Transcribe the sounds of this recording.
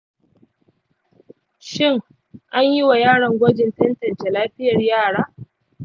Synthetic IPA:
ʃɪ˦ŋ | ʔa˦ɲji˦wa˨jaː˦˨ɽɐ˨ŋɡʷɐ˦d͡ʒɪ˨ntɐ˦ntɐ˨nt͡ʃe˨laː˦ɸɪ˦jɐ˨rjaː˦˨ɽaː˦

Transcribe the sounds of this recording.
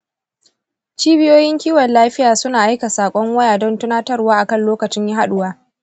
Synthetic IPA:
t͡ʃiː˦bɪ˦joː˦jɪ˦ŋkʲiː˦wɐ˨nlaː˦ɸɪ˦jaː˨sʊ˦naː˨ʔa˦jka˨saː˨kʷʼɔ˦ŋwɐ˦jaː˨dɔ˦ntʊ˦naː˦tɐ˦rwaː˦ʔa˨kɐ˦nloː˦kɐ˨t͡ʃɪ˦ɲji˦ɦa˦ɗʊ˦waː˦

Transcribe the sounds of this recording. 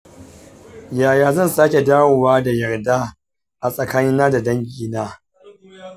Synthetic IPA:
jaː˨jaː˦zɐ˦˨nsaː˦kʲe˨daː˦wo˨waː˦da˨jɐ˨rdaː˦ | ʔa˨sʼɐ˨kaː˦nɪ˦nːaː˦da˨dɐ˦ŋɡʲiː˨naː˦

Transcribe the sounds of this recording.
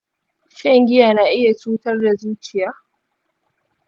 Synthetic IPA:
ʃɛ˦ŋɡʲɪ˦ja˨na˨ʔɪ˦ja˨t͡ʃuː˦tɐ˦rda˨zuː˦t͡ʃɪ˨ja˦

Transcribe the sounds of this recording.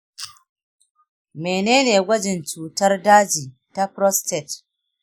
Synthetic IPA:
meː˨neː˦neː˨ɡʷɐ˦d͡ʒɪ˨nt͡ʃuː˨tɐ˦rdaː˦d͡ʒiː˨ | ta˦pɾɔ˦stɛ˨t

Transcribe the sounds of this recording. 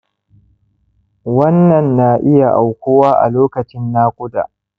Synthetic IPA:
wɐ˦nːɐ˨nːaː˨ʔɪ˦ja˨ʔa˨wkʷʊ˦waː˦ʔa̰˨loː˦kɐ˨t͡ʃɪ˦nːaː˦kʷʼʊ˦da̰ː˨

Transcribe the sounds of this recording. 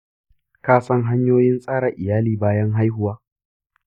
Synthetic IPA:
kaː˦sɐ˦ŋɦa˦ɲjoː˦jɪ˦nsʼaː˦ɽa˨ʔɪ˨jaː˦liː˨baː˦jɐ˦ŋɦa˦jɦʊ˨waː˦

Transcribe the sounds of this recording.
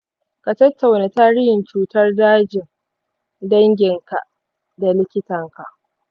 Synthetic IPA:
ka˨tɐ˦tːa˨wna˨taː˦ɽɪ˦hɪ˨nt͡ʃuː˦tɐ˦rdaː˦d͡ʒɪ˨ŋ | dɐ˦ŋɡʲɪ˨ŋka˨ʔ | da˨lɪ˦kʲɪ˦tɐ˨ŋka˨ʔ

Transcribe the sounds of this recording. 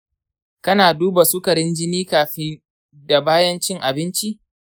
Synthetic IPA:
kɐ˦naː˨duː˦ba˨su˦kɐ˨ɽɪ˦nd͡ʒɪ˦niː˦kaː˨ɸi˦ | da˨baː˦jɐ˦nt͡ʃɪ˦ŋʔa˨bɪ˦nt͡ʃi˦ʔ

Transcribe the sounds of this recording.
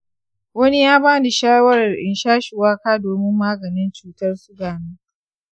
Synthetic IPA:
wɐ˦ni˦jaː˦baː˦dɪ˨ʃaː˦wɐ˦ɾɐ˨rʔɪ̰˨nʃaː˦ʃɪ˨waː˦kaː˦doː˨mɪ˦mːaː˦ɡɐ˨nɪ˦nt͡ʃuː˨tɐ˦rsʊ˦ɡaː˨niː˦

